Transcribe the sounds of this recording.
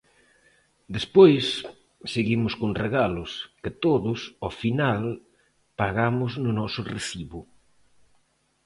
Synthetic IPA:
d̪espojsː | eɣimʊskonreɣalʊsket̪oðʊsɔfinal | paɣamʊznʊnɔsʊreθiβʊ

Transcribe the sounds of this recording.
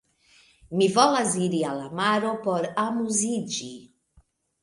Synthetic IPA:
mivɔlaziɾialamaɾopoɾamuzid͡ʒi

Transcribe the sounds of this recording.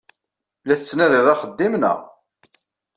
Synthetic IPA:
læθət͡sːnæðɪðˤɑχəd̪ːimnə̰ʁ

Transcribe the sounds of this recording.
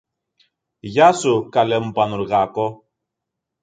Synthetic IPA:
ʝasukalemupanuɾɣako

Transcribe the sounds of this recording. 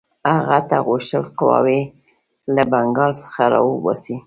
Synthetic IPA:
aɣat̪aɣuʃt̪əlqawɑ̰we | labaŋɡɑlsə̥xaɾɑ̰wəbɑsi

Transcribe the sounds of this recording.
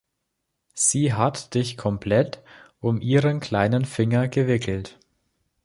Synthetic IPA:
z̥iːɦatd̥ɪçkʰɔmpʰlɛtʔʊmʔiːʁənkl̥aɪnənfɪŋɐɡəvɪkʰl̩t

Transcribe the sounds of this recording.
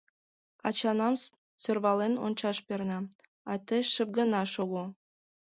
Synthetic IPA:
ɑ̰t͡ɕɑnɑm | sørβɑleno̰nt͡ɕɑʃpʲernɑ̆ | ɑt̪ʲɘ̆ʃɘ̆p̚ɡɤ̆nɑʃoɣu

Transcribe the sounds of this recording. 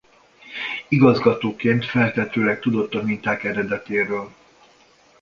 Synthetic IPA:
iɡɒzɡɒt̪oːkeːnt̪fɛlt̪ɛt̪øːlɛk̚t̪ud̪o̞t̪ːɒmint̪aːkɛɾɛd̪ɛt̪eːɾøːl

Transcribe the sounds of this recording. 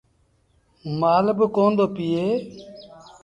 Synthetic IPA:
maːlbkoːnd̪oːpijeː

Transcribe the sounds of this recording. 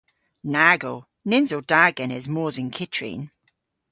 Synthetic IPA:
naːɡo | nɪnzod̥aːɡɛnɛzmoːzɪnkʰɪtʰɹḭn

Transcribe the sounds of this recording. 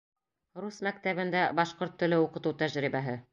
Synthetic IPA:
rusmæk̚t̪æβɘ̆nd̪æbɑʃqoɾt̪ːɵ̆lɘuqɤ̆t̪ut̪æʒɾibæɦɘ

